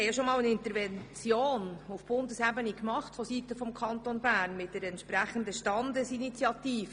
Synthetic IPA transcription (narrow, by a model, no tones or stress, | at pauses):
ɛɪɑʃomɑːlənɪntəɾvɛnt͡sjoːnufb̥ʊndəsæbənikmɑχtfositəfɔmkʰɑntonbæːɾnmɪtdɛɾɛntʃpræχəndəʃtɑndəsinit͡sjɑtiːfə